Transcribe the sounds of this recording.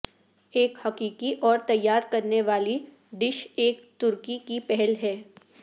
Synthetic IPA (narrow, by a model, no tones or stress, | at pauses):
eːkhɐqiːkiʔɔːɾt̪ɐjːaːɾkɐɾneʋaːli | ɖɪʃeːkt̪ʊɾkikipɛɦɛlɦɛː